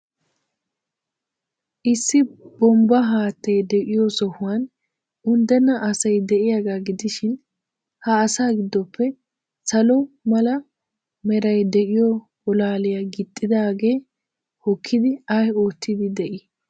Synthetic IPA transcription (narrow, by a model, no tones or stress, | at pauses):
ʔɪsːɪbɔmbɐɦaːt̪ːɛjd̪ɛʔɪjɔsɔhʊwɐn | ʊnd̪ɛnːɐʔɐsɐjd̪ɛʔɪjaɡaɡɪd̪ɪʃɪn | hɐːsaːɡɪd̪ːɔpʰːɛ | sɐlɔmɐlɐ | mɛɾɐjd̪ɛʔɪjɔ | bɔlaːlɪjɐɡɪt̪ʼːɪd̪aːɡe̞ː | hɔkʰːɪd̪ɪɐho̞ːt̪ʰːɪd̪ɪd̪ɛʔɪ